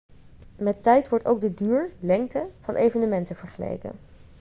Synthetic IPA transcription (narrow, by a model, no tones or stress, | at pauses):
mɛtɛjtʋɔɹtowk̚dədyːɹlɛŋk̚təv̥ɑnʔejvənəmɛntəv̥əɹχəlḛjkə̰n